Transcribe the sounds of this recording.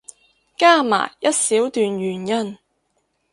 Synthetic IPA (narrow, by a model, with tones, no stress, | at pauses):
kaː˥˩ma̰ː˨˩jjɐ˥t̚siː˨˥wt̪yː˨nɥyː˨˩njɐ˥n